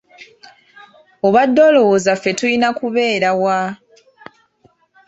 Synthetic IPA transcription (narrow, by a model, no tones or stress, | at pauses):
oβadːo̞lo̞wozafːe̞tujinakuβe̞ːɾawa